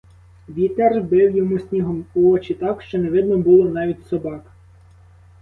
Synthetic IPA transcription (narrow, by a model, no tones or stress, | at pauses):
ʋʲit̪erbɪwjɔmusʲnʲiɦɔmʊɔt͡ʃit̪ɑkʃt͡ʃɔneʋɪd̪nɔbʊlˠɔnɑʋʲitʲsɔbɑk